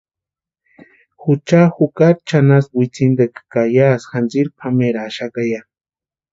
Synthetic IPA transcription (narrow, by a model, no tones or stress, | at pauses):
xut͡ʃaxukaɾt͡ʃanasbit͡sind̪ekkajasxand͡ʒiɾpʰameɾaːʃakaja